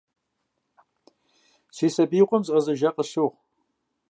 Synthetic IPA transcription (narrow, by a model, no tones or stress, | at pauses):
siːsɐbiːqʷʼɔmzʼɐzɐʒɐqʼəɕoʁ